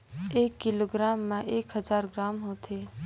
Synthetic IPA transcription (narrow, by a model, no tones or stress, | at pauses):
eːkːɪloːɡɾaːmːãʔeːkɦəzaːɾɡɾaːmɦoːt̪ʰeː